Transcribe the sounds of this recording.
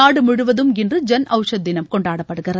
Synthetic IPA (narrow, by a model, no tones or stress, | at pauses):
aːɽɯmʊɻʊʋɐðɯmɛndrɯd͡ʒɐnʔɐʊʂɐd̪ːɪnɐmkɔɳɖaːɽɐpːɐɽɯɣɪrɐ